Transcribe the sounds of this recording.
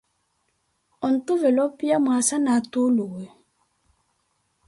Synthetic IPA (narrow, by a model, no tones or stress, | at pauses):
ɔn̩tovɛlɔpiamuasanatolowe